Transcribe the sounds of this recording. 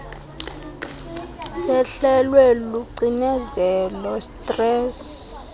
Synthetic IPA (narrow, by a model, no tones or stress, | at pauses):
sɛɬɛlwɛluǀinɛzɛlɔstʼrɛːs